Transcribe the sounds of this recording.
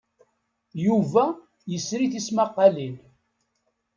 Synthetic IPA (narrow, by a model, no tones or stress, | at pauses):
juvæ | jəsɾiθismɑqːɑlil